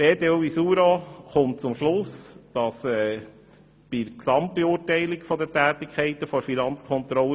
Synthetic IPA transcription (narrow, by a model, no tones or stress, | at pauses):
b̥eːdeuisuːɾoχʊnt̚t͡sʊmʃlʊsd̥ɑsɛː | b̥ɪɾksɑmt̚b̥eʊːɾtɛɪlɪkfɔd̪ətæːt̪ɪkʰχɛɪt̪əfɔɾfinɑnt͡skʰχɔnt̪ɾɔlə